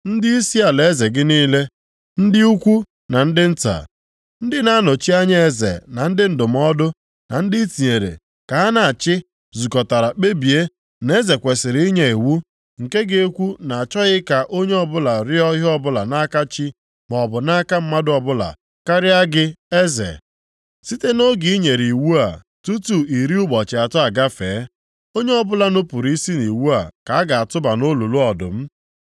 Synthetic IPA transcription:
n̩˦dɪ˦i˦si˦a˨le˨˦ze˨ɡɪ˦niː˦le˦ | n̩˦dɪ˦u˦kʷu˦ | na˨n̩˦dɪ˦n̩˦ta̰˨ | n̩˦dɪ˦na˦no˨t͡ʃi˦a˦ɲe˦e˦zḛ˨na˨n̩˦dɪ˦n̩˨dʊ˨m˦ɔ˦dʊ˦ | na̰˨n̩˦dɪ˦ti˨ɲe˨ɾḛ˨ | ka˨˦a˦na˨a˨t͡ʃɪ˦ | zu˨kɔ˨ta˨ɾa˨k͡pe˦bi˨e˦ | ne˦ze˨kʷe˨sɪ˨ɾi˦ɲe˦˨e˨wu˦ | ŋ̩˨ke˦ɡe˦e˦kʷu˦na˨a˨t͡ʃɔ˦ɣɪ˦ka˨ʔo˦ɲe˦ɔ˨bʊ˦la˨ɾɪ˦ɔ˦ɦɪ˦ɔ˦bʊ˦la˨na˦ka˦t͡ʃi˦ | m˨ɔ˨bʊ˨na˦ka˦m̩˦ma˦dʊ˦ɔ˨bʊ˦la̰˨ | ka˦ɾɪ˦a˦ɡɪ˦e˦zḛ˨ | si˦te˦no˦ɡi˨˦i˦ɲe˨ɾi˨wu˦a˨ | tu˦tu˨i˨ɾi˦ʊ˦ɡ͡bɔ˨t͡ʃɪ˨a˨tʊ˦a˨ɡa˦feː˨˦ | o˦ɲe˦ɔ˦bʊ˦la˦nʊ˦pʊ˨ɾi˦si˦ni˨wu˦a˨ka˨a˦ɡa˨a˨tʊ˦ba˨no˦lu˨lu˦ɔ˨dʊ̰˨m̩˦

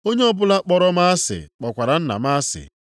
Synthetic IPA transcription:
o˦ɲe˦ɔ˦bʊ˦la˦k͡pɔ˨ɾɔ˦ma˦a˦sɪ̰˨k͡pɔ˨kʷa˨ɾa˨n̩˦na̰˨ma˦sɪ̰˨

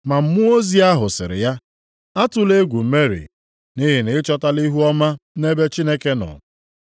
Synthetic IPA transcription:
ma˨m̩˦mʊ˦o˦zi˦a˦ɦʊ˨sɪ̰˨ɾɪ̰˨ja˦ | a˦tʊ˦le˦ɡʷu˨m̩˨me˦ɾḭ˨ | ni˦ɦɪ˨nɪ˨˦t͡ʃɔ˦ta˦li˦ɦu˦ɔ˦ma˦ne˦be˦t͡ʃi˦ne˦ke˦nɔ̰˨

